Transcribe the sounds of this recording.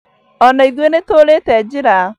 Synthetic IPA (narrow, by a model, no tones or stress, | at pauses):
ɔnɔiðwenetoːletɛd͡ʒɪɾa